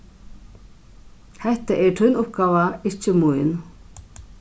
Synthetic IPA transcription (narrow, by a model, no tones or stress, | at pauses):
hɛht̪aʔɛɾt̪ʰœnʊpɡaːvaɪt͡ɕɪmujn